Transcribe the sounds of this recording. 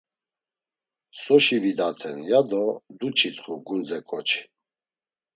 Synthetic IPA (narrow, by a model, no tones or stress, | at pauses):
sɔʃivid̪at̪ʰɛnjad̪ɔd̪ut͡ʃʰit̪χuɡund͡zɛkʼɔt͡ʃʰi̥